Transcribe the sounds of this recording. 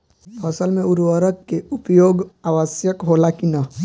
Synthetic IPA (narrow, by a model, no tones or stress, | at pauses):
pʰɐsəlmẽʊɾʋəɾəkːeupjoːɡaːʋəsjəkɦoːlakina